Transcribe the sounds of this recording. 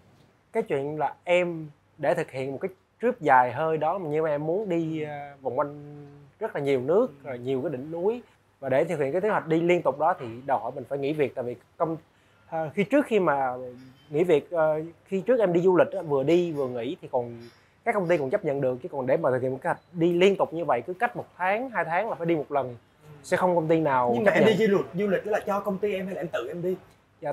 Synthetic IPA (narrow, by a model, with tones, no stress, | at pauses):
kaː˨˦jt͡ɕwḭ˧˨ənlaː˨˩ʔɛ˧m | ɗe˧˩t̪ʰɨ˨˩k̚hḭ˧˨ənmo˨˩t̚kaː˨˦j | t͡ɕwi˦˥əp̚zaː˨˩jɦəː˧jɗɔ˨˦maː˨˩ɲɨ˧maː˨˩ʔɛ˧mːu˨˦ənɗi˧va˨˩wŋ͡mva˧jŋzə˦˥t̚laː˨˩ɲi˨˩əwnɨ˦˥ək̚ːɲi˨˩wka˨˦ɗḭ˧˨ŋ̟nu˨˦j | vaː˨˩ɗe˧˩t̪ɨ˨˩k̚hkaː˨˦t̪ʰːjwa˨˩k̚ɗi˧li˧ənt̪ʊ˨˩k͡p̚ɗɔ˨˦t̪ʰi˨˩ɗə˨˩jhɔ̰˧˩jmï˨˩ŋ̟faː˧˩jŋḭ˧˥˦vi˨˩ək̚t̪aː˧˨˩vi˨˩ | kə˧wŋ͡m | xi˧t͡ɕɨ˦˥ək̚xi˧maː˨˩ | ŋḭ˧˥vi˨˩ək̚ʔːxi˧t͡ɕɨ˦˥k̚ʔɛ˧mɗi˧zu˧lï˨˩ʔaː˨˦vɨ˨˩əɗi˧vɨ˨˩əŋḭ˧˥t̪ʰi˨˩kɔ˨˩n | kaː˦˥kːə˧wŋ͡mt̪i˧kɔ˨˩nt͡ɕə˦˥p̚ɲə̰˧˨nɗɨ˨˩ək̚t͡ɕi˨˦kɔ˨˩nɗe˧˩mːʰ˨˩˨khḭ˧˨˩kʰːwk̟̚ɗi˧li˧ənt̪ʊ˨˩k͡p̚ɲɨ˧və̰˧˨jkɨ˨˦ka˦˥k̚mo˨˩t̚t̪ʰaː˨˦ŋɦaː˧jt̪ʰaː˨˦ŋlaː˨˩faː˧˦jɗi˧mo˨˩t̚lə˨˩n | sɛ̰˧˥xə˧wŋ͡mkə˧wŋ͡mt̪i˧naː˨˩wɲɨ˧ŋaː˨˩ɛ˧˨ɗi˧zu˧li̟˨˩ɗlaː˨˩t͡ɕɔ˧kə˧wŋ͡mt̪i˧ʔɛ˧mɦa˧jlaː˨ɛ˧mt̪ɨ̰˧˨ʔɛ˧mɗi˧ | aː˧